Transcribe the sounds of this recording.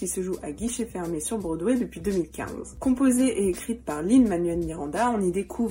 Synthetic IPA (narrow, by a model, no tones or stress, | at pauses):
kʲisəʒuʔaɡʲiʃefɛʁmesyʁbʁəd̪wɛd̪əpɥid̪əmilkʲɛ̰̃zkɔ̃pozeʔeekχit̪paʁlinmanɥɛlmiʁɑ̃d̪aɔ̃nid̪ekʰuv